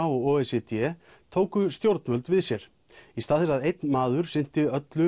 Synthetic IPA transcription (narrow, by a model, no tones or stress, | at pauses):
aɔɣɔːɛsɛt̪jɛ | t̪ʰoːwkʏst̪jowɾt̪nvœlt̪vɪðsjɛɾ̥ | ist̪aːðɛsaðejt̪nmaːðʏɾ̥sɪn̥t̪ɪœt̪lʏ